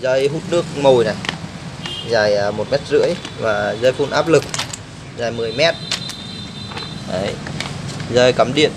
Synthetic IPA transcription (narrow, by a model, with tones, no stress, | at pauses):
zəː˧jɦu˦˥t̚nɨ˦˥ək̚mo˨˩jna˨˩j | zaː˨˩jmo˨˩t̚mɛ˦˥t̚zɨ̰˧˥əjvaː˨˩zəː˧jfu˧nʔaː˦˥p̚lɨ˨˩k̚ | zaː˨˩jmɨ˨˩əjmɛ˦˥t̚ | ʔə˨˦j | zəː˧jkaː˨˦mɗḭ˧˨ən